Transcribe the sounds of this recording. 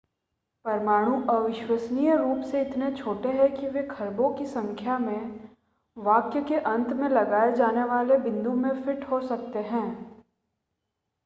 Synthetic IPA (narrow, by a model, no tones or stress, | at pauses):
pɐɾmaːɽ̃ũʔɐʋɪʃʋəsnijəɾuːpseɪt̪net͡ʃʰoːʈeɦɛkiʋekʰɐɾbõkisɐ̃ŋkʰjamẽ | ʋaːkjəkeʔɐ̃nt̪mẽlɐɡaːed͡ʒaːneʋaːlebɪ̃nd̪umẽfɪʈɦosɐk̚t̪eɦɛ̃ː